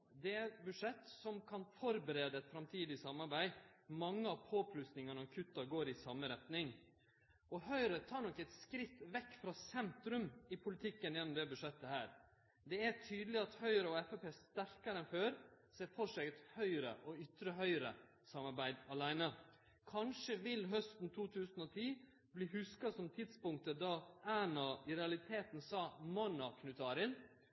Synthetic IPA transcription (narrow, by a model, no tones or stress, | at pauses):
d̪ɛæbʉʂɛt̪ːsɔmkʰɑnfɔɾbəɾeːd̪əɛt̪fɾɑmt̪ʰiːd̪ɪsɑmːɑɾbæɪmɑŋːəɑʋpʰoːpʰlʉst̪nɪŋɑnɔɾkʰʉt̪ːɑɡoːɾɪsɑmːəɾɛt̪nɪŋ | ɔhœʏɾət̪ʰɑːɾɳɔkːɛt̪skɾɪt̪ːʋɛkːfɾɑsɛnt̪ɾʉmɪpʰʊlɪt̪ʰɪkːənjɛnːɔmd̪ɛbʉʂɛt̪ːəhæːɾ | d̪ɛætʰyːd̪lɪɑt̪hœʏɾəɔɛfɛpeːst̪æɾkɑɾəɛnføːɾsɛːfɔʂɛɡt̪hœʏɾə̰ʔɔʏt̪ɾəɦœʏɾə̰ | sɑmɑɾbæɪd̪ɑlæɪnə | kʰɑnʂəʋɪlɦœst̪n̩t̪ʰuːt̪ʰʉːsn̩ɔt̪ʰiː | bliːhʉskɑsɔmt̪ʰɪd̪spʊŋk̚t̪əd̪ɑʔæːnɑɪɾɛɑlɪt̪ʰeːt̪n̩sɑːmɑnɑkʰnʉt̪ʰɑːɾɪl